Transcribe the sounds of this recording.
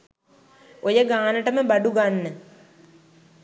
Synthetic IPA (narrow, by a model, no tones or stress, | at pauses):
ojəɡaːnəʈəməbaɖuɡanːə